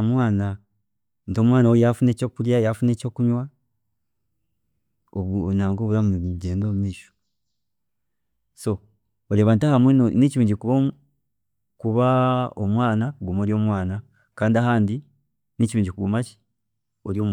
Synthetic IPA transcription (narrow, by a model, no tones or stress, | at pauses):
mwaːna | nto̞ːmwaːnawejafune̞ːco̞ːkuɾjajafune̞ːco̞ːkuɲwa | oβnaːŋɡoβuɾamɟe̞ːndoːmumiːʃo̥ | so̞ | oɾeːβantahamwinoniciβiːɲɟikuβo | kuβaomwaːnakɡumoːɾjo̞ːmwaːna | kaːndiaɦaːndi | niciβiːɲɟikuɡumaci̥ | oɾjoːm